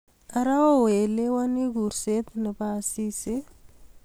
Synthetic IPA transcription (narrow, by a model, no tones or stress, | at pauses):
aɾawowelewaniɡuɾset̪nəpasisi